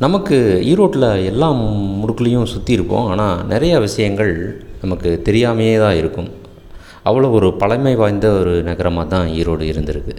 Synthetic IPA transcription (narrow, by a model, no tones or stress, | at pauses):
nɐmɐkːɯiːɾoːʈːɪlɐɛlːaːmʊɽʊkːɐlɐjʊ̃sʊt̪ːiɪɾɯpːõ̰ːaːnaːnɪɾɐjɐʋɪʂɐjɐŋɡɐɭnɐmɐkːɯt̪ɛɾɪjaːmɐjeːt̪ãːɪɾɯkːɯm | ʔɐʋːɐɭoːɔɾɯpɐɭɐɪmɐɪʋaːjnd̪ɐɔɾɯnɐɣɐɾɐmaːt̪ãːiːɾoːɽɯɪɾɯnd̪ɪɾɯkːɯ